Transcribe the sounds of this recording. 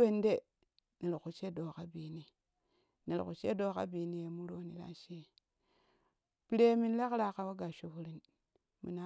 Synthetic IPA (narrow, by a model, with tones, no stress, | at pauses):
e˦˨nde˦ | ne˨ɾku˨t͡ʃe˦do˨ka˦bi˨ni˦ | ne˨lku˨t͡ʃḛ˦do˦˨ka̰˦biː˨ni˦je˨mu˦ɾo˦ni˦la̰˦ʃi˦e˦ | pi˨ɾe˦mi˦nle˦kɾa˨ka˨wo˦ɡa˨ʃo˨fu˦ɾi˦n | mḭ˨na˦